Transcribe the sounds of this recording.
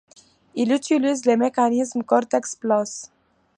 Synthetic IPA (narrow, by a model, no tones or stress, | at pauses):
ilut̪ilizlemɛkanizmkɔɾt̪ɛksplɔs